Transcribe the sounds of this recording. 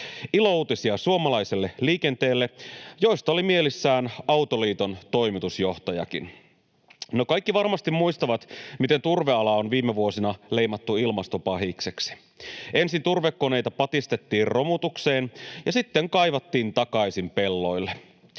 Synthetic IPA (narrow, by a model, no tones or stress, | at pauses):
ilo̞uːt̪isiɑsuomɑlɑjselːe̞liːkent̪e̞ːlːe̞jo̞jst̪ɑolimie̞lisːæːnɑwt̪o̞liːt̪o̞nt̪o̞jmit̪usjo̞ht̪ɑjɑ̰kin | nokɑjkːiʋɑrmɑst̪imːuist̪ɑʋɑt̪mit̪e̞nt̪urʋeɑlɑonʋiːmːeʋuo̞sinɑle̞jmɑt̪ːuilmɑst̪o̞pɑɦikseksi̥ | e̞nsint̪urʋekːone̞jt̪ɑpɑt̪ist̪e̞t̪ːiːrro̞mut̪ukse̞ːnjɑsit̪ːeŋkɑjʋɑt̪ːiːnt̪ɑkɑjsimpe̞lːo̞jlːe